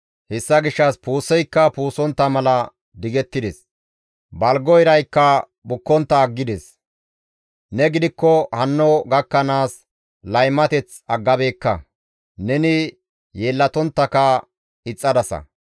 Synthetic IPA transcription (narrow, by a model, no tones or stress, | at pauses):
hɛsːɐɡɪʃːɐspuːsɛjkːɐpuːsɔnt̪ːɐmɐlɐ | d̪ɪɡɛt̪ːɪd̪ɛs | bɐlɡɔjɪɾɐjkːɐ | bʊkːɔnt̪ːɐːɡːɪd̪ɛs | nɛɡɪd̪ɪkːɔhɐnːɔɡɐkːɐnaːs | lɐjmɐt̪ɛt͡s | ɐɡːɐbe̞ːkːɐ̰ | nɛnɪ | je̞ːlːɐt̪ɔnt̪ːɐkɐ | ɪt͡sʼːɐd̪ɐsɐ̰